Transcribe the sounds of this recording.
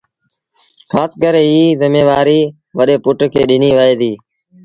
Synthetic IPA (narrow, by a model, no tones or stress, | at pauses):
kʰaːskəɾeːɦiːzɪmeːʋaːɾiː | ʋəɗeːpʊʈkʰeːɗɪniːʋəeːd̪iː